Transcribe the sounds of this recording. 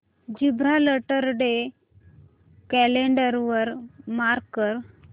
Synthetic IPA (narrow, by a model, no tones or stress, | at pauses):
d͡ʑibɾaləʈəɾɖe | kɛleɳɖəɾʋəɾmaɾkːəɾ